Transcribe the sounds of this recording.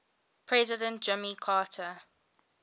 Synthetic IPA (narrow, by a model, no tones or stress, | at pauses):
pʰɹɛzɪdə̃nt̚d͡ʒɛmikʰaːtʰə